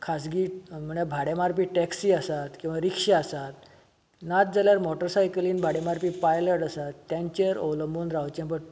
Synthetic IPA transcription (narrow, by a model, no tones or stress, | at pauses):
kʰasɡiːm̤əɳjabʱaɽemaɾp̬iːʈɛksiːasat̪kĩw̃ʋaɾikʂeasat̪ | nat̪̚d͡zaljaɾmɔʈəɾsajkəliːnbʱaɽemaɾpiːpajləʈasat̪ːjãɲt͡ɕeɾə̰ʋləmbuːnɾawt͡ɕẽmpə